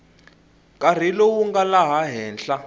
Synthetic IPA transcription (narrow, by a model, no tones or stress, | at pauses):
kʼar̤ilowuŋɡalaɦaɦɛːnɬa